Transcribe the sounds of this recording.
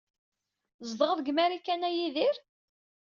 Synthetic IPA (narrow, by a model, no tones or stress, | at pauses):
zd̪ʁəðɡmæɾikːænæjiðɪɾ